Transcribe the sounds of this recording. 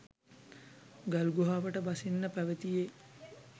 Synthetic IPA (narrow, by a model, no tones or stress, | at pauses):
ɡalɡuɦaːʋəʈəbasinːəpæʋət̪ije